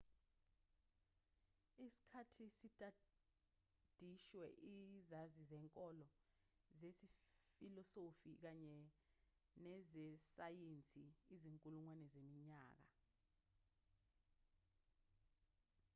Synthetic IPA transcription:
isi̥kʰatʰisitʼa | d̥ʱiʃwɛʔizazizɛːŋkʼɔlɔ | zesifilɔsofik̬aɲɛ | nɛzɛsajent͡sʼiːziŋkʼuluŋwanɛzemiɲaːk̬a̰

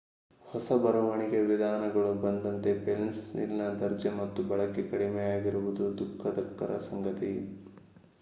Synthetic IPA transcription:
hɔsɐbɐɾɐʋɐɳiɡe̞ʋid̪ʱaːnɐɡɐɭubɐnd̪ɐnt̪e̞pelnsnḭlnɐd̪ɐɾd͡ʒɐmɐt̪ːubɐɭɐkːekɐɽimɛjaːɡiɾuʋud̪ud̪ukʰːɐd̪ɐk̚t̪ɐɾɐ̰sɐŋɡɐt̪i

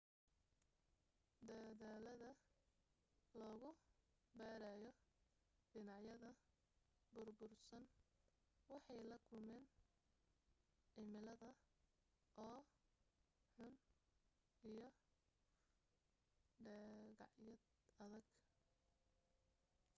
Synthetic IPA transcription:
d̪ɐðaːlɐðɐ | lɔːɣʊ | bɛːɾɛjɔ | ɖɪnɑʕjɐðɐ | bʊrbʊrsɐn | wɑħɑjlɐkʰʊmɛːn | ʕɪmɪlɐðɐ | ʔɔː | ħʊn | ijɔ | ɖɛɣɑ̰ʕjɐ | ɐðɐɡ

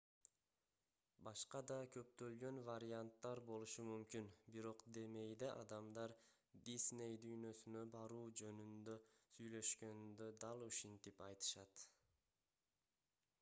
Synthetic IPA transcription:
bɑʃqɑd̪ɑkʰø̞p̚t̪ø̞lɡø̞nvaɾʲɪant̪ːɑɾbo̞lˠuʃumymkynbiɾo̞qd̪e̞me̞jd̪eʔɑ̰d̪ɑmd̪ɑɾ | d̪ʲisne̞jd̪yjnø̞synø̞bɑɾuːd͡ʒø̞nynd̪ø̞syjlø̞ʃkø̞nd̪ø̞d̪ɑlˠuʃint̪ipɑjt̪ɯ̥ʃɑt̪

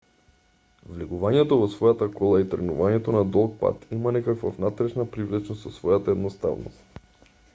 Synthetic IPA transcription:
vliɡuvaɲɛt̪ɔvɔsvɔjat̪akɔlˠait̪r̩ɡnuvaɲɛt̪ɔnad̪ɔlˠk̚pa̰t̪imanɛkakva̰vnat̪ɾɛʃnapɾivlɛt͡ʃnost̪sɔsvɔjat̪aɛd̪nɔst̪a̰vno̰st̪

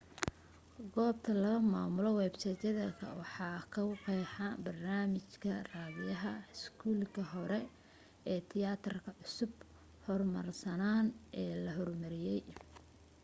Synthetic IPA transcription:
ɡɔːb̚t̪ʰɐlɐβɐma̰ːmʊlɔwɛːbsɐt͡ʃɐðɐkʰɐ̰wɑħɑːkʰɐwqɛjħɑbɐrnaːmɪt͡ʃkʰɐraːðɪjɐɦɐɪskʰuːlkʰɐɦɔɾɛ | ɛːt̪ʰɪjaːt̪ʰɐrkʰɐʕʊsʊb | hɔrmɐ̰rsɐnaːnʔɛːlɐɦɔrmɐɾɪjɛj

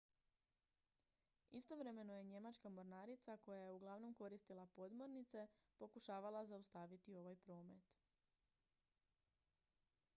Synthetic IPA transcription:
ist̪o̞ʋɾe̞me̞noje̞ɲe̞mat͡ʃkamo̞ɾnaːɾit̪sako̞jajeuɡlˠaʋno̞mko̞ɾist̪ilapo̞d̪mo̞ɾnit̪se̞po̞kuʃaːʋalˠazaust̪aʋit̪io̞ʋajpɾo̞ːme̞t̪

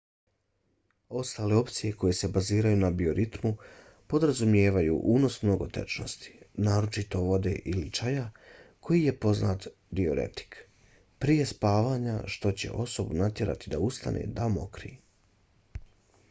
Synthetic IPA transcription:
o̞st̪aːle̞o̞pt̪sije̞ko̞je̞se̞baziːɾajuːnabio̞ɾʔit̪mu | po̞d̪ɾazumje̞ːʋajṵʔuːno̞smno̞ɡo̞̰t̪e̞̰t͡ʃno̞st̪i̥naːɾo̞t͡ʃit̪o̞ʋo̞d̪e̞̰ʔilit͡ʃajakʰo̞jije̞po̞zna̰ːt̪ | d̪io̞ɾe̞̰t̪i̥k | pɾije̞spaːʋaːɲaʃt̪o̞t͡ɕe̞̰ʔo̞so̞bunat̪je̞ɾa̰t̪id̪aust̪a̰nʔḛd̪amo̞kɾḭ

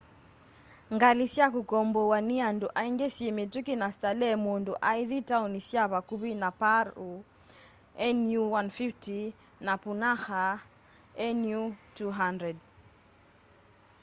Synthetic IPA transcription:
ŋɡalisjakukɔmbɔwanianduʔaiŋɡesjɛmitukinastalɛmunduʔaiðitaunisjaβakuβinapaɾu | ɛnuwanfifti | napunaxa | ɛnjutuɦandɾɛd

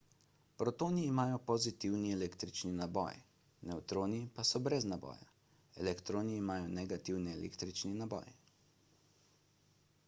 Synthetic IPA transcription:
pɾɔt̪oːniːmaːjɔpɔzit̪iwniɛleːkt̪ɾit͡ʃninabɔ̰j | nɛwt̪ɾoːnipasɔbɾɛznabɔ̰ːja̰ | ɛlɛkt̪ɾoːniːmaːjɔnɛɡat̪iwnɛɛlḛːkt̪ɾit͡ʃninabɔ̰j

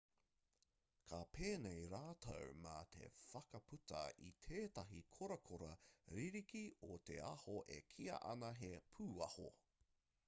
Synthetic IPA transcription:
kʰapʰeːnejɾaːtʰɐ̰wmɐ̰t̪ʰe̞̰fɐkɐpʰutɐ̰ḭt̪ʰeːtɐɦikʰoɾɐkʰoɾɐɾiɾikiot̪eɐhoʔḛkʰiɐ̰ʔɐ̰nɐɦepʰuːɐho̰

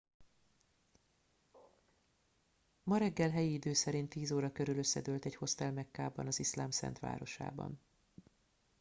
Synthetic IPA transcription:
mɒɾɛɡːɛlɦɛjiid̪øːsɛɾint̪ːiːzoːɾɒkø̞ɾyløsːɛd̪øːlt̪ɛcho̞st̪ɛlmɛkːaːbɒ̰nɒzislaːmsɛ̰n̪t̪ʋa̰ːɾo̞ʃa̰ːbɒ̰n

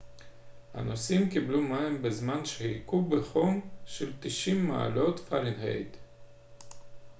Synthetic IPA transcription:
ha̰nosimkiblumaimbezmanʃehikubeχomʃelt̪iʃimːa̰a̰lo̞t̪fa̰ɾinhḛjd̪

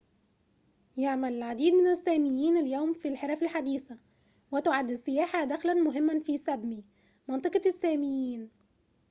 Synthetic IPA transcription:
jaʕmælʕad̪iːd̪mɪnɪsːæːmɪjːiːnɪljæwmfilħeɾˤɑfɪlħad̪iːθæ | wɪt̪ʊʕad̪ːsːɪjæːħad̪æxlænmʊɦɪmːænfiːsæbmi | mɑnt̪ˤɑqɑsːæːmɪjːiːn

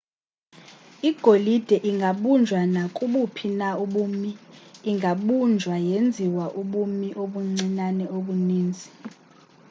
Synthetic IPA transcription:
iɡ̥ʱolid̥ʱɛʔiŋɡʱaɓund͡ʒʱwanakʼuɓupʰinauɓuːmiːŋɡʱaɓund͡ʒʱwajend͡zʱiwaʔuɓumiʔoɓuŋ͡ǀinanɛʔoɓuniːnd͡zʱi

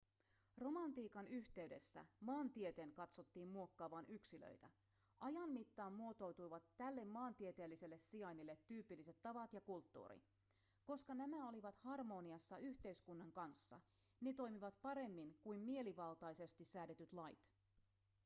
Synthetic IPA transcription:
ro̞mɑnt̪iːkɑnyçt̪e̞yde̞sːæ̰mɑːnt̪iet̪e̞ːŋkɑt̪so̞t̪ːiːmmuo̞kːɑːʋɑnʔyksilø̰jt̪æ | ʔɑjɑmːit̪ːɑːmmuo̞t̪o̞wt̪ujʋɑt̪ːælːe̞mːɑːnt̪iet̪eːlːise̞lːe̞sːiɑjnilːet̪ːyːpilːise̞t̪ːɑʋɑt̪jɑkult̪ːṵːɾḭ | koskɑnæmæo̞liʋɑt̪hɑrmo̞ːniɑsːɑyçt̪e̞jskunːɑŋkɑnsːɑ̰ | ne̞t̪o̞jmiʋɑt̪pɑɾe̞mːiŋkujmmie̞liʋɑlt̪ɑjse̞st̪isæːde̞t̪yt̪lɑjt̪

